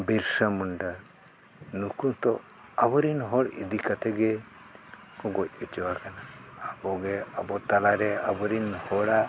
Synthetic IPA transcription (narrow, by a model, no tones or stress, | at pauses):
biɾsamɔɳɖaɾ | nukut̪ɔ | abɔɾinɦɔɽḭd̪ikat̪ʰɛɡɛ | kɔɡɔc̚ɛt͡ʃɛwakanaːbɔɡɛabɔt̪alaɾɛa̰bɔɾinhɔɽa